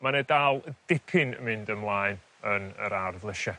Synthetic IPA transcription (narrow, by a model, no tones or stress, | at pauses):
manɛdalˠd̥ɪpʰɪnə̰mɪndəmlˠaːɨn | ənə̰ɾarvlˠəʃɛ